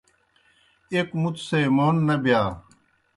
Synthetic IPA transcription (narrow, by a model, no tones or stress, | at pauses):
ekmut̪semoːnːɐbijaː